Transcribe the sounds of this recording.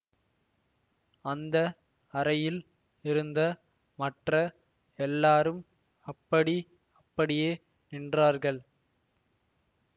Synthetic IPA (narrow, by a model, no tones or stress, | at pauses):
ɐnd̪ɐ | ɐɾɐjɪl | ɪɾɯnd̪ɐ | mɐʈrɐ | ɛlːaːɾɯm | ɐpːɐɽi | ɐpːɐɽɪjeː | nɪndraːɾɣɐɭ